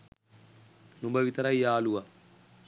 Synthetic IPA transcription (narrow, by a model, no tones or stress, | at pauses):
numbəʋit̪ɐɾɐjjaːluʋa